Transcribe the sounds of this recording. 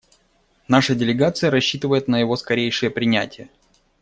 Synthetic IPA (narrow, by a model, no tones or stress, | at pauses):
naʂədʲɪlʲɪɡat̪sɨjəɾɐɕːit̪ɨvəjɪt̪nəjɪvo̞skɐɾʲejʂɨjəpɾʲɪnʲætʲɪjə